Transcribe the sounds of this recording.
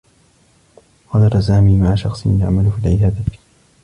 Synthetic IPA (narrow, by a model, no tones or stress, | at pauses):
xɑd̪ɑɾˤsaːmiːmaʕaʃɑxsˤja̰ʕmalʊfiːlʕɪbaːd̪a